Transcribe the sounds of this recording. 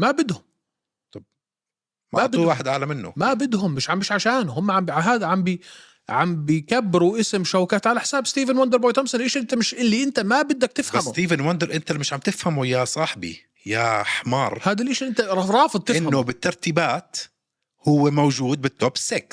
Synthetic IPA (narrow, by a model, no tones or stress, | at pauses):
mabɪd̪hʊm | t̪ˤɑb | maab̪ulwaːħɪd̪ʕalamɪnːʊ̰mabɪd̪ɦʊmːɪʃʕambiʃʕaʃaːnʊhʊmːaʕambiʕaɦaːd̪aʕambi | ʕambikabːɪɾuʔɪsɪmʃawkaːt̪ʕalaħɪ̥saːbst̪iːvɪnwand̪əɾˤbojt̪amsanʔeʃʔɪnt̪amɪʃʔɪlːiʔɪnt̪amabɪd̪ːak̚t̪ɪfhasːt̪iːvɪnwand̪əɾʔɪnt̪almɪʃʕamt̪ɪfhamujasˤɑħbḭ | jaħmɑːɾˤhaːd̪ilʔɪːʃʔɪnt̪aɑɾˤɑːfɨd̪ˤt̪ɪʔɪnhːʊbɪt̪ːɑɾˤt̪iːbaːt̪ | hʊwːemowʒuːd̪̚bɪt̪ːoːbɪ̥sːeks